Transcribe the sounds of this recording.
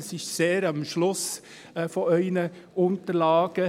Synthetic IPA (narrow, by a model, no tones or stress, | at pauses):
sɪʃseːɾɑmʃlʊs | fɔœɪnə | ʊnt̪əɾlɑːɡ̥ə